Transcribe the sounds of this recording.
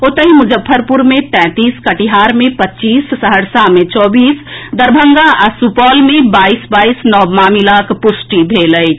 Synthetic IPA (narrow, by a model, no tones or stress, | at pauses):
oːt̪əɦimʊd͡ʒəpʰːəɾpʊɾmẽt̪ɛ̃ːt̪iːskɐʈiɦaːɾmẽpətːt͡ʃiːsːəɦəɽsamẽt͡ʃɔːbiːsd̪ɐɾbʱə̃ŋɡaʔɐsupɔːlmẽbaːiːsbaːiːsnɔːmaːmilaːkpʊsʈibʱeːləi